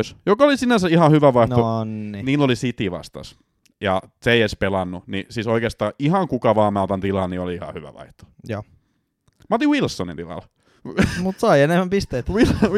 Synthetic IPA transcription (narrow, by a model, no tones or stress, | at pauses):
sjokɑolisinænsæihɑhyʋæʋɑih̪oniniːlːolisit̪iʋɑ̰st̪ɑ̰s | jɑseieispelɑnːunḭsiːsoikeːst̪ɑːihɑŋkukɑʋɑːmælt̪ɑnt̪ilɑnioliihɑ̰hyʋæ̰ʋɑ̰iht̪o̥joː | mɑt̪iwilsːonḭnt̪ilɑ̰l | mut̪sɑienemːˑæmpist̪eːt̪il